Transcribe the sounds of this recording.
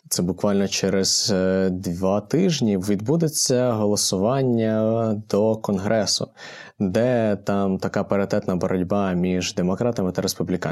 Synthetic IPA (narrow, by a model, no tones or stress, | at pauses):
t̪sɛbʊkʋɑlʲnɔt͡ʃɛɾez̥d̪ʋɑt̪ɪʒnʲiʋʲid̪bud̪et͡sʲːɐɦɔlˠɔsʊʋɑnʲːɐd̪ɔkɔnɦɾʔɛsʊ̰ | d̪ɛt̪ɑmt̪ɐkɑpeɾet̪ɛt̪nɐbɔɾɐdʲbɑmʲiʒd̪e̞mɔkɾɑt̪ɐmɪt̪ɐɾespublʲikɑ